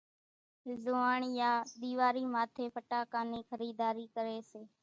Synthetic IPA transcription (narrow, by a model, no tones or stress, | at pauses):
zoːaːɳjaːɗ̪iːʋaːɾiːmaːt̪ʰeːpʰəʈaːkaːniːxʰəɾiːd̪aːɾiːkəɾeːseː